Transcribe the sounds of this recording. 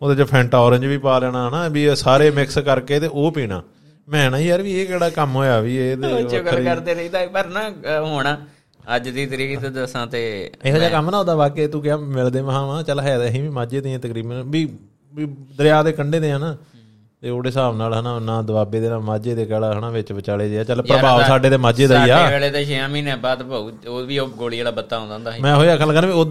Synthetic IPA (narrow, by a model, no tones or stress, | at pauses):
oːd̪eːt͡ʃapʰɛ̃ːɳʈɔːɾə̃ɲd͡ʒʋiːpaːlɛːɽ̃aːɦənaːbiːsaːɾeːmɪkskəɾkeːt̪eːʔoːpiːɽ̃a̰ː | mɛ̃ːnãːiːəɾʋiːeːkɛːɽaːkəmɦoːjaːʋiːeːt̪eːoːɡəəɾd̪eːɾid̪aːpəɾnaːɦoːɳ̃aː | əd͡ʒd̪iːt̪əɾiːt̪ːd̪sãːt̪eːeaːd͡ʒaːkəmnaːoːd̪aːbaːkeːt̪ũːkɪjaːmɪld̪eːməɦãːʋːt͡ʃəlːɦɛːɦĩːʋiːmaːd͡ʒeːd̪ɪjãːt̪əkɾiːbənʋiː | iːd̪əɾɪjaːd̪eːkəɳɖeːd̪eːãːnaː | t̪eːoːɽeːsaːʋnaːlənãːnãːd̪əbaːbeːd̪eːnaːmaːd͡ʒeːd̪eːkɛːlaːɦənãːʋɪt͡ʃʋət͡ʃaːleːd͡ʒeːaːt͡ʃəlːpɾəbaːʋsaːɖeːd̪eːmaːd͡ʒeːd̪aːiːaːɛːleːd̪eːʃəjãːmĩːnɛ̃ːbaːd̪paːuː | oːʋiːoːɡoːld͡ʒeːɽaːbət̪ːaːɦõːnd̪ãːnd̪aːɦmɛ̃ːɦoːiaːkəlkənːʋiːo